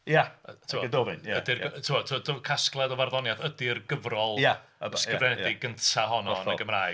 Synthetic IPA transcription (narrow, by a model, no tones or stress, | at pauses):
jatʰuɔdoːvɨnjaədɪrtʰuatʰuɔdɔkʰasklˠɛdɔvarðɔnjaðədɪrɡəvrɔlˠjaskəvrɛnɛdɪɡəntʰaɦɔnɔnəɡəmraːj